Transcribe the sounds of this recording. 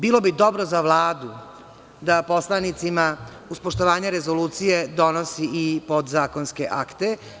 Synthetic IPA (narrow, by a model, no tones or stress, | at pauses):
biːlˠo̞bid̪o̞bɾozaʋlˠaːd̪u | d̪apo̞slˠanit̪sima | uspoʃt̪oʋaːɲeɾezo̞luːt̪sije̞d̪o̞nosiːpo̞d̪zaːko̞nskeʔakt̪e